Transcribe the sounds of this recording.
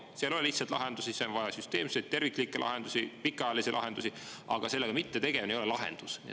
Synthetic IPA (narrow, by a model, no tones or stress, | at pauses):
siɑlo̞leliçht̪sɑt̪lɑ̰ɦend̪usiseonvɑjɑsyst̪e̞ːmsejt̪̚t̪e̞rvikːˑlikːˑelʔɑ̰ɦend̪usipikːˑɑɑjɑlisilʔɑ̰ɦe̞nd̪̥usiʔɑ̰ɡ̥ɑse̞lːeɡɑmit̪ːet̪e̞ɡ̥e̞vnejo̞lelɑɦḛnd̪̥usnḭ